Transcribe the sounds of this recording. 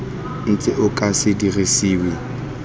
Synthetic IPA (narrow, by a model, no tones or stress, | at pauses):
n̩t͡sʼɪʔʊkʼasɪdirisiːwe